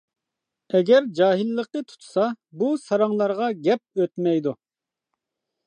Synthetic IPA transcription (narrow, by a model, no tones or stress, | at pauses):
ɛɡʲɛɾd͡ʒɑːɦilːəqnət̪ʰu̥t̪ʰu̥sɑ | busɑɾɑŋlˠɑɾʁɑɡʲɛp̚øt̪mɛjd̪u